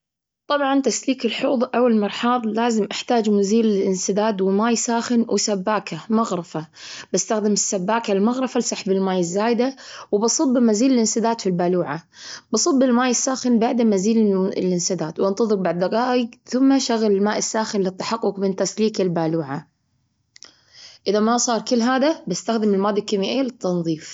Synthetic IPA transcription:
t̪ˤɑbʕɑnt̪asliːkɪlħuːðˤʔawalmɑɾˤħɑːðˤlaːzɪmʔaħt̪aːd͡ʒmaziːlɪlʔɪnsɪd̪aːd̪wɪmaːjsaːxɪnwʔɪsabːaːkʰamɑɣɾɪfabɪst̪axd̪amɪsːabːaːkalmaɣɾˤɑfalsˤɑħbɪlmaːjɪzːaːjd̪awɪbɑsˤɨbːmaziːlɪlʔɪnsɪd̪aːt̪filbaːluːʕabɨsˤɨbːɪlmaːjɪsːaːxɪnbaʕd̪amaziːllʔɪnsad̪aːt̪wʔɑnt̪ˤɑðˤɨɾ̚baʕd̪ːɑɣɑːjɪɡθʊmːaʃaɣlɪlmaːʔɪsːaːxɪnlɨt̪ːḁħɑqːʊkmɪnt̪asliːkɪlbaːluːʕa | ʔɪðamasˤɑːɾˤkɪlːɦaːd̪abɪst̪axd̪ɪmɪlmaːd̪ɪkːaːmɪʔeːlɨt̪ːɑnðˤiːf

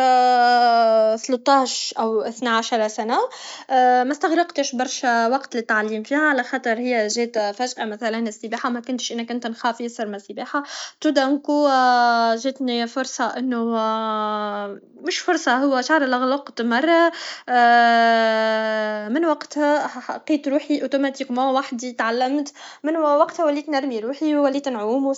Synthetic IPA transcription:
θlʊt̪ˤːɑːʃʔawʔɪθnaʕaʃɑɾˤsana | mæst̪aɣɾɑqt̪ɪʃbɑɾˤʃawɑqt̪lɪt̪ːaʕliːmfiːhaʕalaxɑːt̪ˤɨɾˤhɪjːæʒeːt̪fæʒʔamæθælænɪsːɪbaːħamækʊnt̪ʃʔɪnːækʊnt̪nxaːfjɪsɑɾˤmasːɪbaːħat̪ud̪amku | ʒɪːt̪nifʊɾˤsˤɑʔɪnːʊ | mʊʃfʊɾˤsˤɑhʊwːæʃaʕɾˤɪlʔaɣlʊqt̪mɑrˤːɑ | mɪnwaqt̪hæħɑqːiːt̪ɾuːħiʔot̪umat̪iːkmowaħd̪it̪ʕalːæmt̪mɪnwɑqt̪hæwælːiːt̪naɾˤmiɾuːħiwwælːiːt̪nʕuːmw

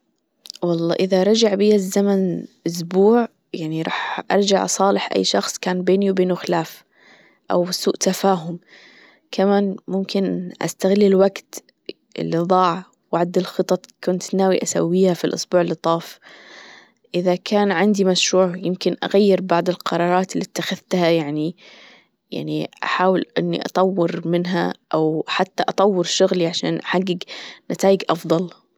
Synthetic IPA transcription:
wɑlˤːɑ̰ːʔɪðaɾˤɑd͡ʒaʕbijazːamanʔʊs̬buːʕ | jaʕniɾˤɑ̰ːħʔɑ̰ɾˤd͡ʒaʕsˤɑːlɪħʔa̰jːʃɑxsˤkaːnbeːniwbeːnwxɪlaːf | ʔa̰wsuːʔt̪afaːɦʊm | kʰamaːnmʊmkɪnʔa̰st̪aɣɪlːɪlwaɡt̪ | ɪ̰lːiðˤɑːʕ | waʕad̪ɪlxɨt̪ˤɑt̪kʊnt̪naːwiʔasa̰wːiːhafilʔʊ̰sbuːʕɪlɨt̪ˤɑːf | ʔɪðakʰaːnʕɪnd̪imaʃɾuːʕjɪmkɪnʔa̰ɣajːɪɾbɑʕd̪ˤɪlqɑɾˤɑːɾˤɑːt̪ɪlːit̪ːaxaðt̪hajaʕni | ja̰ʕniʔa̰ħaːwɪlʔɪnːḭʔɑ̰t̪ˤɑwːɪɾmɪnɦa̰ʔawħat̪ːaʔɑt̪ˤɑwːɪɾʃʊɣliʕaʃa̰ːnʔaħaɡːɪɡnat̪aːjɪɡʔɑfd̪ˤɑl

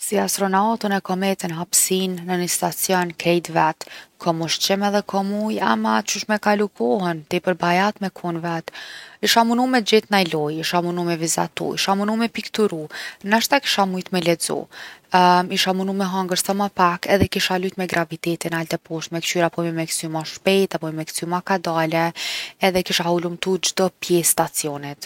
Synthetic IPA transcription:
siast̪ɾɔnaɔt̪ənɛkɔmɛt̪ənɦapsinːənəst̪at͡sjɔnkɾɛjd̪vɛt̪kʰɔmuʃt͡ʃɛmɛðɛkʰɔmujamat͡ʃuʃmɛkalukʰɔɦɛnt̪ɛpəɾbajat̪mɛkʰunvɛt̪iʃamunumɛd͡ʒɛt̪najlɔjiʃamunumɛviza̰t̪ṵḭʃamunumɛpikt̪uɾunaʃt̪aki̥ʃamujt̪mɛlɛd͡zɔ̰ | iʃamunumɛɦaŋɡəɾsamapakɛðɛkiʃalyt̪mɛɡɾʔavit̪ɛt̪inalt̪ɛpɔʃt̪mɛkt͡ʃyɾapɔmɛmɛksymaʃpɛjt̪apɔmimɛksymakad̪alɛɛðɛkiʃahulumt̪ud͡ʒd̪ɔpjɛsːt̪at͡siɔnɛt̪

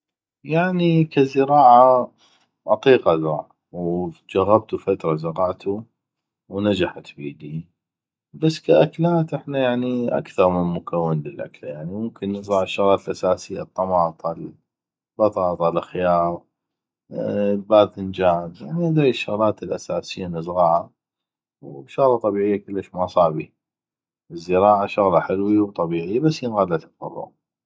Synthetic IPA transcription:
jaʕnikazəɾɑːʕa | ʔɑt̪ˤiːqazˤɑːʕ | wd͡ʒaɣːab̚t̪ufat̪ɾˤazɑɾɑʕt̪ʰu | wnad͡ʒaħat̪biːd̪i | basːkaʔaklaːt̪ʔɪħnajaʕniʔa̰kθɑɾˤmɪnmʊkʰawːɪnləlʔa̰klajaʕnimʊmkɪnːəzˤɑʕɪʃːʊɣlaːt̪lʔasaːsɪjːa̰t̪ˤːɑmɑːt̪ˤl | bɑt̪ˤɑːt̪ˤɑlxjɑːɾˤ | baːðənd͡ʒaːzjaʕniad̪ɾiʃːʊɣlaːt̪əlʔasaːsɪjːanəzɣɑʕa | wʃʊɣlɑt̪ˤːɑbiːʕɪjːakəlːaʃmasˤɑːʕbi | əzːəɾɑːʕaʃʊɣlɑħɪlwiwt̪ˤɑbiːʕɪjːabasːjənɣalːat̪aɑ̰lˤːʊ̰ɣ

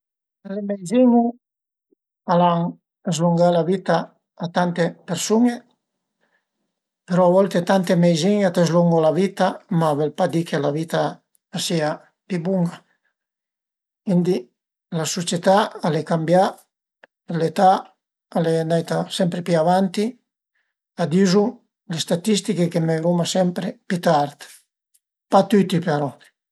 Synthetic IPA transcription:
alemejziŋu | alaŋ | ezluŋɡalavit̪aː | t̪ant̪epeɾsuŋe | peɾɔaβɔlt̪et̪ant̪emejziŋat̪ezluŋɡolavit̪amavɛlpad̪ikelavit̪aː | sia | pibuŋɡa | ind̪i | lasut͡ʃet̪aalekambja | elet̪a | aleand̪ajt̪asɛmpɾepiavant̪i | ad̪izu | lest̪at̪ist̪ikekemeɾumasɛmpɾepit̪aɾt̪ | pat̪yt̪ipeɾɔ

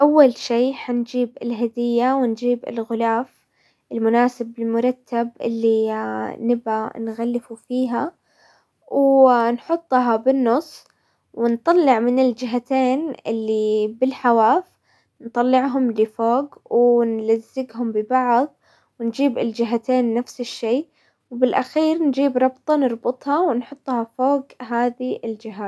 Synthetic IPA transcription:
ʔawːalʃiːħand͡ʒiːbɪlɦad̪ɪjːawɪnd͡ʒiːbɪ̰lɣʊlaːf | ʔɪlmʊnaːsɪbɪlmʊɾˤɑt̪ʰːabʔɪ̰lːinɪbʔanɣalːɪfufiːɦa | wnħʊt̪ˤːɦɑbɪnːʊsˤː | wɪnt̪ˤɑlːɪʕmɪnɪld͡ʒɪɦat̪eːnɪlːibɪlħawaːf | nt̪ˤɑlːɪʕɦʊmlɪfoːɡwnlazːɪɡɦʊmbɪbɑʕðˤ | wɪnd͡ʒiːbɪld͡ʒɪɦat̪eːnːafsɪʃːeː | wbɪlʔaxiːɾnd͡ʒiːbɾˤɑbt̪ˤɑnɨɾˤbʊt̪ˤhɑwnħʊt̪ˤːhɑfoːɡɦaːðiʔɪld͡ʒɪɦaːt̪

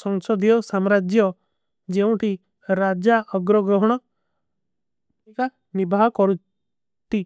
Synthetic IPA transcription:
sɔŋsɔd̪ʱijɔsamɾad͡ʒjɔ | d͡ʒeũʈʰi | ɾad͡ʒaʔɔɡɾɔɡɾɔɦɔɽ̃ɔ | ka | nibʱaɦɔkɔɾũ | t̪i

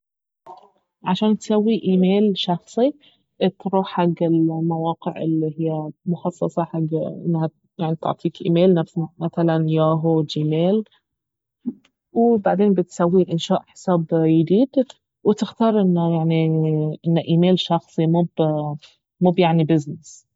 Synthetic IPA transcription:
ʕaʃaːnt̪sawːiʔiːmeːlʃɑxsˤi | t̪ɾuːħħaɡːɪlmawɑːqɪʕʔɪ̰lːiɦɪjːamʊxɑsˤːɑsˤɑħaɡːʔɪ̰nːha | jaʕnit̪ʊ̰ʕt̪ˤʰiːkʔḭːmeːlnafsmaθalanjaːɦud͡ʒiːmeːl | wɪbaʕd̪eːnbɪt̪sawːiʔɪnʃaːʔħɪ̥saːbjɪd̪iːd̪ | wɪt̪ɪxt̪ɑːɾˤʔɪnːajaʕniʔɪnːʔiːmeːlʃɑxsˤimuːb | muːbjaʕnibɪznɪs

